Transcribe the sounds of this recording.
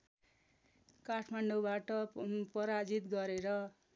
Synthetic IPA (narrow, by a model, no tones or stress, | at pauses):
kaʈʰmaɳɖobaʈʌpʌɾad͡zit̪ɡʌɾeɾʌ